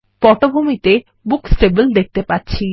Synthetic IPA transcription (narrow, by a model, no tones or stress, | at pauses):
pɔʈobʱomit̪e | buksʈebəld̪ek̚t̪epatːɕʰi